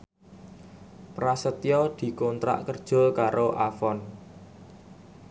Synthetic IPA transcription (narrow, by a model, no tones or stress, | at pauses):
pɾasət̪jɔd̪̥i̤kont̪ɾa̰ʔkərd̥ʒ̥ʊ̤lkaɾoʔafɔn